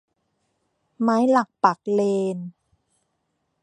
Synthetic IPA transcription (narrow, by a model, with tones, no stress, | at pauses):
maː˦˥jla˨˩k̚pa˨˩k̚leː˧n